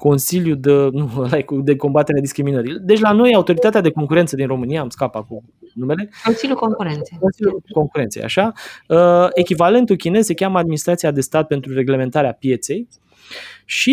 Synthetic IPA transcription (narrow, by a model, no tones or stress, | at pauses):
ko̞nsiljud̪ənulajkd̪e̞ko̞mbat̪e̞ɾead̪iskɾiminəɾid̪e̞t͡ʃʲlano̞jaut̪o̞ɾit̪at̪ead̪e̞ko̞ŋkuɾe̞nt̪səd̪inro̞mɨniaːmskapakum | nume̞le̞konsilʲjukoŋkuɾent̪sejko̞nsiljuko̞ŋkuɾent̪seja̰ʃaəe̞kʲivale̞nt̪ukʲine̞z̥sekʲaməad̪̚minist̪ɾat̪sijad̪e̞st̪at̪̚pe̞nt̪ɾuɾe̞ɡle̞me̞nt̪aɾeapje̞t̪se̞j | ʃi